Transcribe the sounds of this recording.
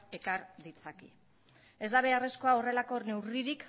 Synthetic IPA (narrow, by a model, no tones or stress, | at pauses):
e̞kaɾðit͡saki | e̞zd̪aβe̞areskoao̞re̞lako̞ne̞wriɾik